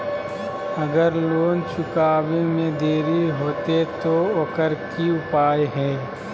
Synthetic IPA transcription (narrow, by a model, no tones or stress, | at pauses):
ɐɡəɾloːnt͡ʃʊkaːʋemẽd̪eːɾiɦoːt̪et̪oɐkəɾkiʊpaːjɦɛː